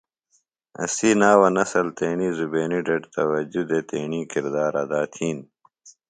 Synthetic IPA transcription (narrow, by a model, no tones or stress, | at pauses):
ɐ̰siːnaːwɐnɐsɐlt̪eːɳiːzubeːniɖɐʈt̪ɐwɐd͡ʑud̪et̪ḛːɳiːkiɾd̪aːɾɐd̪aːt̪ʰiːn